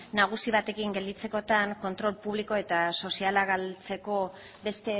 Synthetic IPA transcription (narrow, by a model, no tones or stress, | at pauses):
naɣ̞usiβ̞at̪e̞kiŋɡe̞ld̪it͡se̞ko̞t̪aŋko̞nt̪ɾo̞lpuβliko̞e̞t̪aso̞sialaɣalt͡se̞ko̞ | be̞st̪e̞